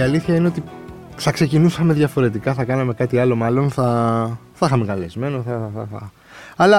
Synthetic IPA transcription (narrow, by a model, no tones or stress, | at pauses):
iɐliθçɐineot̪i | θɐkse̞cinusɐme̞ðʝɐfo̞ɾe̞t̪ikɐθɐkɐnɐme̞kɐt̪iɐlo̞mɐlo̞nθɐθɐixɐmekɐle̞zme̞noθɐɐ̰θɐ | ɐlɐ